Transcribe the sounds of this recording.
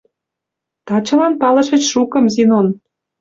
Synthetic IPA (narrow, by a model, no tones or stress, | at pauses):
t̪ɑt͡ɕɤ̆lɑnpɑlɤ̆ʃə̆t͡ɕʃukɤ̆mzinon